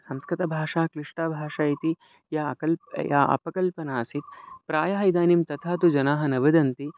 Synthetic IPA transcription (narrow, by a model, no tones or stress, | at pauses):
sɐmskɾɪt̪ɐbʱaːʂaːkɾiʂʈaːbʱaːʂaːjit̪i | ja̰kɐlja̰ːɐ̰pɐkɐlpɐnaːsit̪̚pɾaːjaːɦjid̪aːnimt̪ɐt̪ʰaːt̪ud͡ʒɐnaːɦɐnɐʋɐd̪ɐnt̪i